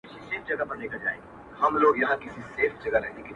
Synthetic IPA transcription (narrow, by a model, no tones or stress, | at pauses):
t͡ʃʰiseːfʰd͡ʒɐɡapɐɾnekad͡ʒa̰ːḛɡi | ɦɐmloːɡjɐɦãkɪsiseːfʰd͡ʒɐɡaɾɛɦneki